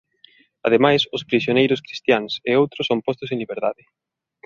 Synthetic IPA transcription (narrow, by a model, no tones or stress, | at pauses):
a̰ðemajsʊspɾisjonejɾʊskɾist̪jaŋseowt̪ɾʊsːompɔst̪ʊsẽnliβeɾðaðɪ